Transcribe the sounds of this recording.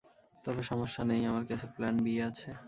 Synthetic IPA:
t̪ɔbeʃɔmoʃːanejamaɾkat͡ɕʰeplɛnbieat͡ɕʰe

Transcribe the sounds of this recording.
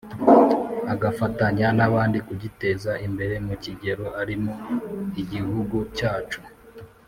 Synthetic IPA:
aɡafataɲanaβaːndikuɟite̞zaʔimbe̞ɾe̞muciɟe̞ɾo̞ʔaɾimoiɟihuɡucaːt͡ʃu

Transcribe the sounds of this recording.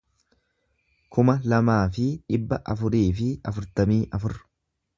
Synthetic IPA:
kʰʊmɐlɐmaːfɪᶑɪbːɐʔɐfʊɾiːfɪɐ̰fʊɾt̪ɐmiːʔɐfʊɾ

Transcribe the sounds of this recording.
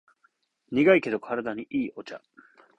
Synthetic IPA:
ɲ̟iɡaike̞d̪o̞kʰaɾad̪aɲ̟iʔiːʔo̞t͡ɕa̰

